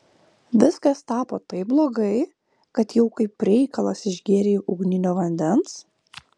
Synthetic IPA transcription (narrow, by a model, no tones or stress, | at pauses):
ʋʲɪskɐst̪ɑːpoːt̪ɐɪp̚blˠoːɡɐɪ | kɐt̪jɛʊkɐɪpɾʲɛɪkɐlˠɐsɪʒʲɡʲeːɾʲeːjʔʊɡnʲɪnʲoːʋɐnʲd̪ʲɛns